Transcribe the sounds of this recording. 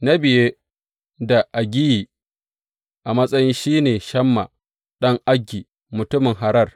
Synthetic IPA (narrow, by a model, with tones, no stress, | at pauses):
na˦bɪ˨je˦ | da˨ʔa˨ɡʲɪ˦jiː˨ | ʔa˨mɐ˦sʼɐ˦jɪ˦nʃiː˦neː˨ʃɐ˦mːa˨ | ɗɐ˦ŋʔa˦ɡʲːiː˨ | mʊ˨tʊ˦mɪ˨ŋɦa˨ɾɐ˦r